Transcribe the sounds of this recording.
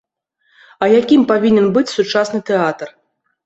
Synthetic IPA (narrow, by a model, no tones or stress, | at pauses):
ɐjakʲimpavʲinʲɛnbɨt͡sʲsut͡ʂasnɨt̪ɛat̪r